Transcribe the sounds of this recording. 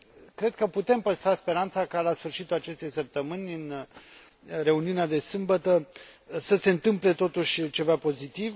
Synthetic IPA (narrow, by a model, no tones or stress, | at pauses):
kɾe̞d̪̚kəput̪e̞mpəst̪ɾaspe̞ɾant̪sakalasfɨrʃit̪ulat͡ʃe̞st̪e̞jsəp̚t̪əmɨnʲɨn | re̞uniunead̪e̞sɨmbət̪əsəse̞ɨnt̪ɨmple̞t̪o̞t̪uʃʲt͡ʃe̞vapo̞zit̪iv